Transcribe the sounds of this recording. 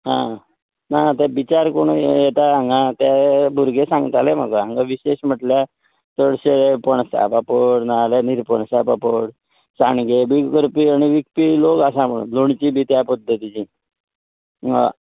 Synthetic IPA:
ɦã̰ | naat̪abit͡ɕaɾkoɳ̃ujet̪aãŋɡat̪jabʱuɾɡesãŋɡət̪alem̤a̰kəɦãŋɡaʋiɕeɕm̤əʈlja | t̪əɽɕeɭepəɳsa̰papəɽnalaniɾpəɳsapapəɽ | sanɡebikəɾpiaɽ̃iʋikpilokasãməɽṵloɳt͡ɕiːbʱiːt̪japəd̪ʱːət̪it͡ɕi

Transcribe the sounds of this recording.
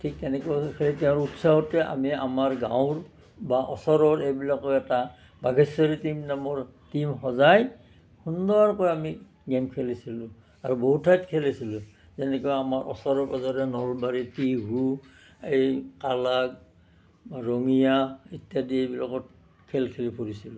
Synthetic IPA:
tʰiktɛnɛkokʰɛlitɛʊ̃ɹutsaɦɔtɛʔa̰mia̰maɹɡã̰wɹ | baʔɔsɔɹɔɹejbilakɔjɛta | baɡʱɛsɔɹitimnamɔɹ | timxɔzaj | hundɔɹaɹkɔjami | ɡɛmkʰɛlisilʊ̃ | aɹuboɦutʰːajtkʰɛlisilʊ | zɛnɛkɔjamaɹʔɔ̰sɔɹɔɹbɔzaɹɛnɔɹbaɹitiɡu | ejkalaɡ | aɹoŋijaitjadiejbilakɔt | kʰɛlkʰɛlipʰoɹisilʊ

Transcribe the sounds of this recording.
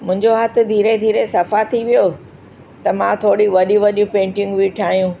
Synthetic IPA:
mʊ̃ɪ̃ɲd͡ʑoɦɐt̪ʰɪ̆d̪ʱiːɾed̪ʱiːɾesɐfat̪ʰiʋijo | t̪ɐmãt̪ʰoːɽiʋɐɗĩʋɐɗjũpẽːɳʈɪ̃ŋɡʋiʈʰaːjũː

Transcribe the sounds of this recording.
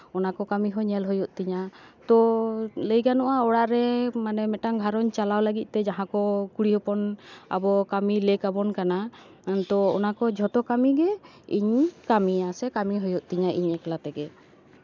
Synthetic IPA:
ɔnakɔkamiɦɔɲɛlɦɔjɔʔ̚t̪iɲat̪ɔləjɡanɔʔaɔɽaʔɾɛmanɛmɛʈaŋɡʱaɾɔɲt͡ʃalawlaɡit̪̚ˀt̪ɛd͡ʒaɦãkɔkuɽiɦɔpɔna̰bɔkamilekabɔnkana | t̪ɔɔnakɔd͡ʒʱɔʈɔkamiɡɛ | ḭɲkamiasɛkamiɦɔjɔʔ̚t̪iɲaʔḭɲɛklat̪ɛɡɛ

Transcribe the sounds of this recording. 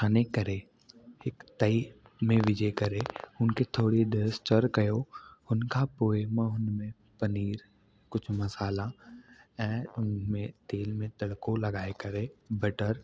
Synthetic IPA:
aːnekɐɾeː | ɪkt̪əimẽʋɪd͡ʒekəɾeʊnket̪ʰoːɽid̪eɾst͡ʃəɾkɐjoːʊnkapoːemə̃ɦʊnmẽ | pəniːɾ | kʊt͡ʃʰmɐsaːla | ɛ̃ːʊnmẽt̪eːlmẽt̪ɐɽkõlɐɡaːekɐɾebəʈəɾ

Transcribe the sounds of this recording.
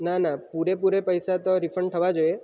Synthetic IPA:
nanapuɾepuɾepəjsat̪oɾifʰəɳɖ̚ʈ̪ʰəʋad͡ʒoje

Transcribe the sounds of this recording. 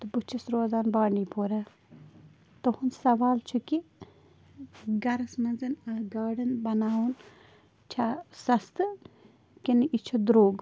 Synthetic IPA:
t̪ɨbut͡ʃʰisɾoːzaːnbaːɳiːpoːɾɐ | t̪ohunsɐʋaːlt͡ʃʰuki | ɡɐɾɐsmɐnzɨnɐɡaːɽinbɐnaːwun | t͡ʃʰaːsɐst̪ɨ | kiniʔit͡ʃʰud̪ɾoːɡ

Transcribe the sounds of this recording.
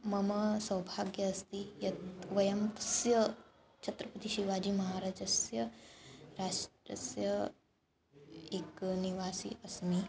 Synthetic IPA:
mɐmɐsɐwbʱaːɡjɐɐst̪ijɐt̪ʋɐjɐmt̪ɐ̥sjɐ | t͡ʃʰɐt̪ɾɐpɐt̪iʃiʋaːd͡ʒimɐɦaːɾaːd͡ʒɐsjɐ | ɾaːʂʈɾɐ̰sɾjɐ | ekniʋaːsḭɐsmi

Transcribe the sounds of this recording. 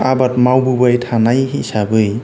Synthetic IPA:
abat̚mawbubajtʰanajɦisabɯj

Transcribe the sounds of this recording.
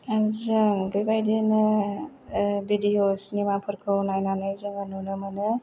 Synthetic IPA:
azɯŋbebajdenɯ | bedijosnimapʰɯɾkʰɯwnajnanajzɯŋanunɯmanɯ

